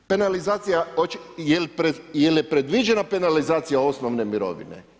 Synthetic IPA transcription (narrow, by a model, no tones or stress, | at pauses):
pe̞nalizaːt̪sijaot͡ʃjelpɾejeljepɾe̞d̪ʋid͡ʒe̞nape̞nalizaːt̪sijao̞snoʋne̞miɾo̞̰ʋḭne̞̰